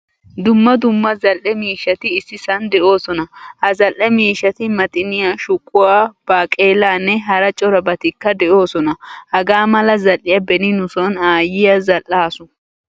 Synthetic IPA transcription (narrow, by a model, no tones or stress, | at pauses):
d̪ʊmːɐd̪ʊmːɐzɐlʔːɛmiːʃɐt̪ɪːsːɪsɐnd̪ɛʔo̞ːsɔnɐhɐzɐlʔːɛmiːʃɐt̪ɪmɐt̪ʼɪnɪjaʃʊkʼːʊwaːb̥aːkʼeːlaːnːɛɦɐɾɐt͡ʃʼɔɾɐbɐt̪ɪkːɐd̪ɛʔo̞ːsɔnɐhɐɡaːmɐlɐzɐlʔɪjɐbɛnɪnʊsɔnaːjɪjɐzɐlʔːaːsʊ